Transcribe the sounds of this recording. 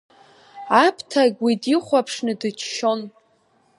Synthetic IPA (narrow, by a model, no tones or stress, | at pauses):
apʰtʰaɡʲwidiχʷapʰʂnɨdɨt͡ʃʰʃo̞n